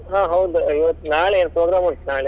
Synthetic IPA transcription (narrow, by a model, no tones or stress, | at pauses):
ɦãːɦɐwd̪iʋɐt̪ːnaːɭeenpɾoːɡɾaːmuɳnaːɭe